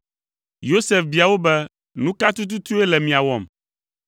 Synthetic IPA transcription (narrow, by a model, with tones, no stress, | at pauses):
jo˦sɛ˨fbi˨a˨wo˦bɛ˦ | nũ˦ka˦t̪u˦t̪̬u˦t̪u˦ɛ˦lɛ˨mĩ˨a˨wɔ˨m